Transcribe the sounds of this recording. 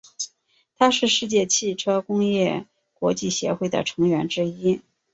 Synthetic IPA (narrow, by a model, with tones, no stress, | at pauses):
t̪ʰa˥ʂɻ̩˥˧ʂɻ̩˥˧t͡ɕjɛ˥˧t͡ɕʰi˥˩ʈ͡ʂʰɤ˥kʊ˥ŋjɛ˥˩ | kwɔ˧˥t͡ɕi˥˩ɕjɛ̰˧˥xwe˥˩ɪd̪ə̰˩ʈ͡ʂʰɤ˧˥ŋɥɛ˧˥nʈ͡ʂɻ̩˥i˥